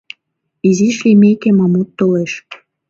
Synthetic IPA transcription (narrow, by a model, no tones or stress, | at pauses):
iziʃlimekemɑmut̪ːoleʃ